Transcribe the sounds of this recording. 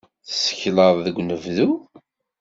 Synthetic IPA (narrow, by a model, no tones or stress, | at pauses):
θə̥sə̥çləðˤðəɡʷːnəvðu